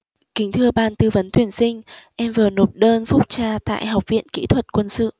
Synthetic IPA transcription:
kï˨˦ŋ̟t̪ʰɨ˧əɓaː˧˩nt̪ɨ˧və˨˦nt̪ʰwi˧˩ənsï˧ŋ̟ʔɛ˧mvɨ˨˩əno˨˩p̚ɗəː˧nfʊ˦˥t̚t͡ɕaː˧t̪a̰ː˧˨jɦa˨˩wk͡p̚vḭ˧˨ənkḭ˧˥t̪ʰwə˨˩t̚kwə˧nsɨ̰˧˨

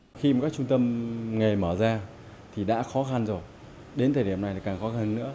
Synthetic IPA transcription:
xi˧m˨˩kaː˦˥k̚t͡ɕʊ˧ŋ͡mt̪ə˧mŋe˨˩məː˧˩zaː˧ | t̪ʰi˨˩ɗa̰ː˧˥xɔ˨˦xa˧nzo˨˩j | ɗe˨˦nt̪ʰəː˨˩jɗi˧˩əmna˨˩jt̪ːkaː˨˩ŋxɔ˨˦xa˧nːɨ̰˧˥ə

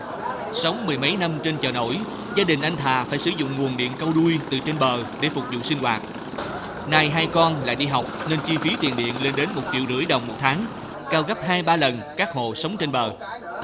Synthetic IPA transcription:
sə˨˦wŋ͡mmɨ˨˩əjmə˨˦jna˧mt͡ɕe˧nt͡ɕəː˨˩no̰˧˥j | zaː˧ɗï˨˩ŋ̟ʔa˧jŋ̟t̪ʰaː˨˩faː˧˩jsɨ̰˧˩˦zʊ̰˧˨ŋ͡mŋu˨˩ənɗḭ˧˨ənkə˧wɗu˧jt̪ɨ̰˨˩t͡ɕe˧nɓəː˨˩ɗe˧˩fʊ˨˩k͡p̚zṵ˧˨sï˧ŋ̟hwaː˨˩t̚ | naː˧jɦaː˧jkɔ˧nla̰ː˧˨jɗi˧ɦa˨˩wk͡p̚ne˧nt͡ɕi˧fi˨˦t̪ḭ˨˩ənɗḭ˧˨ənle˧nɗe˨˦nmo˨˩t̚t͡ɕḭ˧˨əwzɨ̰˧˩əjɗə˨˩wŋ͡mmo˨˩t̚t̪ʰaː˨˦ŋ | kaː˧wɣə˦˥p̚ɦaː˧jɓaː˧lə˨˩nkaː˦˥k̚ho̰˧˨sə˨˦wŋ͡mt͡ɕe˧nɓəː˨˩

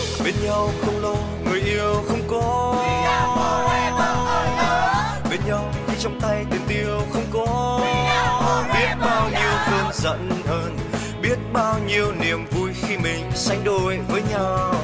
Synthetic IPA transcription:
ɓe˧nɲa˧wxə˧wŋ͡mlo˧ | ŋɨ˨˩əjʔi˧əwxə˧wŋ͡mkɔ˨˦˧ | ɓe˧nɲa˧wxi˧t͡ɕɔ˧wŋ͡mt̪a˧jt̪i˨˩əmt̪i˧əwxə˧wŋ͡mkɔ˨˦ | ɓi˦˥ət̚ɓaː˧wɲi˧əwkə˧nzə̰˧˥nhəː˧n | ɓi˦˥ət̚ɓaː˧wɲi˧əwni˨˩əmvu˧jxi˧mï˨˩ŋ̟sa˧jŋ̟ɗo˧˨jvəː˨˦jɲa˧˩w

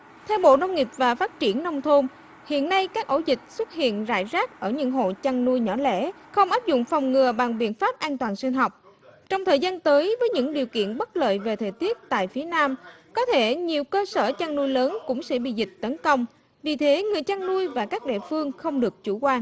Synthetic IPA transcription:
t̪ʰɛ˧wɓo̰˧˨nə˧wŋ͡mŋi˨˩əp̚vaː˨˩faː˦˥t̚t͡ɕi˧˩ənːə˧wŋ͡mt̪ʰo˧m | hḭ˧˨ənːa˧jkaː˦˥k̚ʔo˧˥zï˨˩k̟̚swə˦˥t̚hḭ˧˨ənza̰ː˧˨jzaː˦˥k̚ʔəː˧˩ɲɨ̰˧˥ŋɦo̰˧˨t͡ɕa˧ŋnu˧jɲɔ˧˩lɛ̰˧˥xə˧wŋ͡mʔaː˦˥p̚zʊ̰˧˨ŋ͡mfɔ˨˩wŋ͡mŋɨ˨˩əɓa˨˩ŋɓḭ˧˨ənfaː˦˥p̚ʔaː˧nt̪waː˨˩nsi˧nɦɔ˨˩wk͡p̚ | t͡ɕɔ˧wŋ͡mt̪ʰəː˨˩jzaː˧nt̪əː˨˦jvəː˨˦jɲɨ̰˧˥ŋɗi˨˩əwkḭ˧˨ənɓə˦˥t̚lə̰ː˧˨jve˨˩t̪ʰəː˨˩jt̪i˦˥ət̚t̪a̰ː˧˨jfi˨˦ənaː˧mkɔ˨˦t̪ʰe˧˩ɲi˨˩əwkəː˧səː˧˩t͡ɕa˧ŋnu˧jləː˨˦nkʊ̰˧˥ŋ͡msɛ̰˧˥ɓḭ˧˨zï˨˩k̟̚t̪ə˨˦nkə˧wŋ͡m | vi˨˩t̪ʰe˨˦ŋɨ˨˩əjt͡ɕa˧ŋnu˧əjvaː˨˩kaː˦˥k̚ɗḭ˧˨əfɨ˧əŋxə˧wŋ͡mɗɨ˨˩ək̚t͡ɕu˧˩kwaː˧n

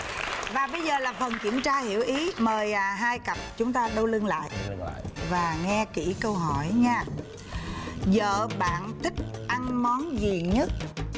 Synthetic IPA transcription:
vaː˨˩ɓə˧jzəː˨˩laː˨˩fə˨˩nkḭ˧˩əmt͡ɕaː˧hi˧˩əwʔi˨˦məː˨˩jɦaː˧jkə˨˩p̚t͡ɕʊ˨˦ŋ͡mt̪aː˧ɗə˧wlɨ˧ənla̰ː˧˨j | vaː˨˩ŋɛ˧ki˧˩kə˧wɦɔ˧˩jɲaː˧ | zə̰ː˧˨ɓa̰ː˧˨nt̪ʰï˦˥k̚ʔa˧nmɔ˨˦nzi˨˩ɲə˦˥t̚

